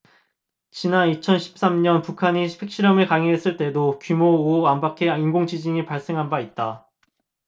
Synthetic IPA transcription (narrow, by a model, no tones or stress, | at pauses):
t͡ɕinanit͡ɕʰʌnɕʰi̥p̚s͈amɲʌnpukʰaɲiipʰek̚ɕ͈iɾʌmɯɭkaŋeɦes͈ɯɭt͈e̞dokumoːambakʰe̞inɡoŋd͡ʑid͡ʑiŋipaɭs͈e̞ŋɦanbait̚t͈a